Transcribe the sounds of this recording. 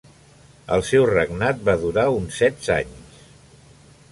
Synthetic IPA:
ə̰lˠsɛwrəɡnat̪̚baðuɾaunsɛd̪sa̰ɲs

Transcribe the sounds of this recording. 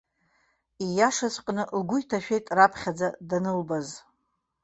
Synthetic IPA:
ijaʂat͡sʷʼqʼnɨlɡʷʊjtʰaʃᶣejtʼrapʰχʲad͡zadanɨlbaz

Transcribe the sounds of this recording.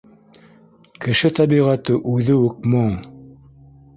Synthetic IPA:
kɘ̆ʃɘt̪ɑbiʁæt̪ɘʔʉðɘʉk̚moŋ

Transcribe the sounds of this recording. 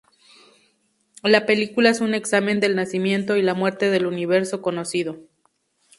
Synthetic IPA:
lape̞likulaesune̞ksamẽ̞nd̪e̞lnasimje̞nt̪o̞ilamwe̞ɾt̪e̞ðe̞luniβ̞e̞ɾso̞ko̞no̞sið̞o̞

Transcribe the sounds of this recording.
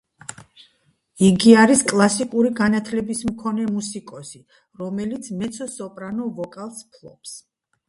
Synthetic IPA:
iɡiaɾiskʼlˠasikʼuɾiɡanat̪ʰlɛbismkʰɔnɛmusikʼɔsi | ɾɔmɛlit̪sʰmɛt̪sʰɔsɔpʼɾanɔvɔkʼalˠspʰlˠɔ̰ps

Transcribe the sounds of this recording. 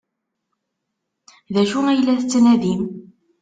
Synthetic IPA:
ðæʃuæjlːæθət͡sːnæðim

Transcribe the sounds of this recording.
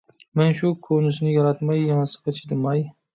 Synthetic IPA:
mɛnʃukʰonɪʃnɪjɑɾɑt̪mɑjːɑnsə̥qɑt͡ʃʰɪd̪ɪmɑj

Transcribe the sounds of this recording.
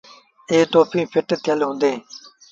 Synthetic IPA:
eːt̪oːpʰĩːpʰɪʈt̪ʰɪjəlɦʊ̃ːnd̪eː

